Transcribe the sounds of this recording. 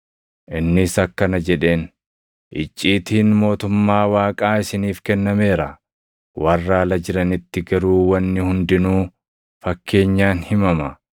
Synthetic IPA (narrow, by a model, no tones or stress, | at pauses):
ʔɪnːɪsɐkːɐnɐd͡ʒɛᶑe̞ːn | ʔɪt͡ʃʼːiːt̪iːnmo̞ːt̪ʊmːaːwaːkʼaːɪsɪniːfkɛnːɐme̞ːɾɐ | wɐrːaːlɐd͡ʒɪɾɐnɪt̪ːɪɡɐɾuːwɐnːɪhʊnd̪ɪnuː | fɐkːe̞ːɲːaːnhɪmɐmɐ